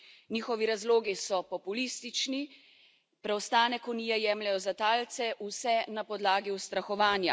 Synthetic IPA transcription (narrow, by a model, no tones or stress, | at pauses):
niːxɔʋiɾazloːɡisɔpɔpuliːst̪it͡ʃni | pɾɛwst̪aːnɛkɔniːjɛjɛːmlɛjɔzat̪aːlt̪sɛʔusɛnapɔd̪laːɡiwst̪ɾaxɔʋaːnja̰